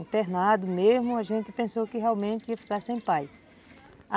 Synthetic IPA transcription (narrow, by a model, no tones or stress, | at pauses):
ĩt̪eɾnad̪ʊmezmʊaʒẽnt̪ɪ̥pẽsowkɪɦɛawmẽnt̪ɪiɐfi̥kaɾsẽj̃paj | a